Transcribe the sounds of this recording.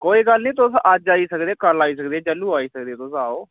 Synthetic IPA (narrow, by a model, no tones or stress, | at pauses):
koːiːɡəlnĩːt̪ʊsəd͡ʒaːiːsəkd̪eːkəɾlaːiːsəkd̪eːd͡ʒəlːuːaːiːsək̚d̪eːt̪ʊsaːoː